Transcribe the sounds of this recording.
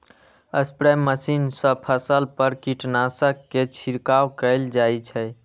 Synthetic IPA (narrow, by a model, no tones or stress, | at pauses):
ə̰spɾɛmːəsinsə̃pʰəsəlpəɾkiʈnasəkːet͡ʃʰiɾkawkəɪld͡ʒajt͡ʃʰɛj